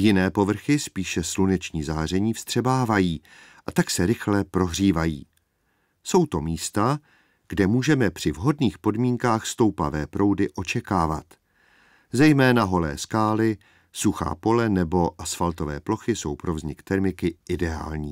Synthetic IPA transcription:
jɪnɛːpo̞vr̩xɪspiːʃɛslunɛt͡ʃɲiːzaːr̝ɛɲiːfst̪r̝̥ɛbaːvajiːʔat̪aksɛɾɪxlɛpɾo̞ɦr̝iːvajiː | so̞wt̪o̞miːst̪a | ɡ̥dɛmuːʒɛmɛpr̝̥ɪvɦo̞dniːxpo̞dmiːŋkaːxst̪o̞wpa̰vɛːpɾʔo̞wdɪʔo̞t͡ʃɛkaːva̰t̪ | zɛjmɛːnaɦo̞lɛ̰ːskaːlɪ | suxa̰ːpo̞lɛnɛbo̞ʔasfalt̪o̞vɛ̰ːplo̞xɪso̞̰wpɾo̞vzɲɪkt̪ɛɾmɪkɪʔɪdɛa̰ːlɲiː

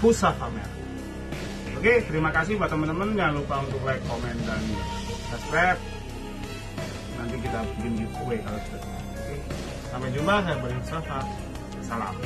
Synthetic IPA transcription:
usafamɛ̰ | əɡet̪əɾimakas̬ɪhbat̪əmənt̪əmənɡalupaunt̪ʊk̚laikːomɛndan | saskɾɛp̚ | nant̪ik̬it̪abind͡ʒit̪̚uekaloki̥t̪at̪uma̰ati | samad͡ʒumbaɦajaŋbəɾiŋusafa | sala̰m

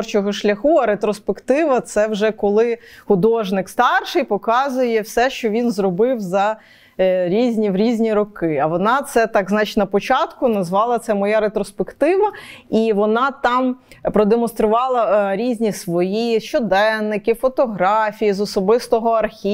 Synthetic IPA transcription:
rt͡ʃɔɦɔʃlʲɐxuɐɾet̪ɾɔspekt̪ɪʋɐt̪sɛwʒɛkɔlˠɪxʊd̪ɔʒnɪkst̪ɑrʃɪjpɔkɑzʊjɛwsɛʃt͡ʃɔʋʲinzɾɔbɪwzɐ | ɾʲizʲnʲiwɾʲizʲnʲiɾɔkɪɐʋɔnɑt̪sɛt̪ɑɡznɑt͡ʃɪ̥tʲnɐpɔt͡ʃɑt̪kʊnɐzʋɑlˠɐt̪sɛmɔjaɾet̪ɾɔspekt̪ɪʋɐiʋɔnɑt̪ɑm | pɾɔd̪emɔnst̪ɾʊʋɑlˠɐɾʲizʲnʲisʋɔjiʃt͡ʃɔd̪ɛnːɪkɪfɔt̪ɔɦɾɑfʲijizɔsɔbɪst̪ɔɦɔɐrxʲi

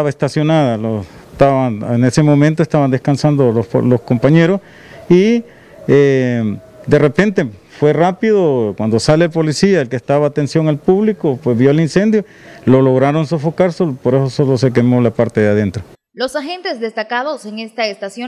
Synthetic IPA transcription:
aβaest̪asjo̞naðalot̪aβanenesemo̞mẽnt̪oest̪aβand̪eskansand̪oloso̰loskompaɲeɾos | i | e | d̪e̞repe̞nt̪e̞ | fwe̞rapiðokwand̪osale̞ːlpo̞lisiaelkest̪aβaːt̪ensjoŋalpuβlikopwezβjolinse̞nd̪jo | loloɣɾaɾo̞nso̞fokaɾsolopoɾesosolose̞k̬emolapaɾt̪e̞ðeaðent̪ɾo | losaxent̪ezd̪est̪akaðoseŋest̪aest̪asjo

